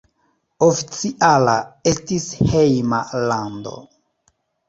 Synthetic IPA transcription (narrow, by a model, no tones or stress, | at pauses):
ofit͡siʔalae̞stishejmalando̞̰